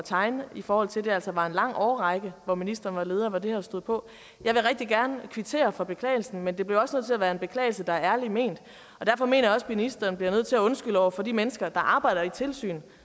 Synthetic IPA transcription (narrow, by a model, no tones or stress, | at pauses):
t͡sʰɑ̈ɪnifɒːhɒ̽l̰t͡sʰe̝ld̥e̝æl̰sɒʋɑ̈e̝nlɑ̈ŋ̰ɒːʁɑɪɡ̥əʋɒminisd̥ɐːn̩ʋɑ̈le̝ːð̞ˠɐʋɑ̈d̥e̝hæsd̥o̝ð̰ˠpʰɒ̽ | jɑ̈ɪʋe̝ʁɛɡ̥̚d̥iɡ̥æɐnəkʰʋit͡sʰe̝̰ːɐfɒ̽b̥e̝kʰlɛ̰ːɪl̩sn̩mend̥e̝b̥leʊɒ̽snøð̰ˠt͡sʰe̝læʋæːɐe̝nb̥e̝kʰlɛ̰ɪlsəd̥ɑ̈æɐæɐlime̝̰ːnd̥ | ɒ̽d̥æɐfɒ̽me̝̰ːnɐjɑɒ̽sminisd̥ɐnb̥liɐnøð̰ˠt͡sʰe̝læɔ̽nsɡ̥ylɒʊ̰ɐfɒ̽d̥imenəsɡ̥ɐd̥ɑ̈ʔɑ̈ːb̥ɑ̈ɪ̰d̥ɐit͡sʰe̝lsy̰ːn